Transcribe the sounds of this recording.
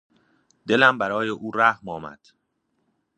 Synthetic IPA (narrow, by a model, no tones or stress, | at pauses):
d̪e̞læmbæɾɒːjeʔuːɾæhmɒːmæ̰d̪̥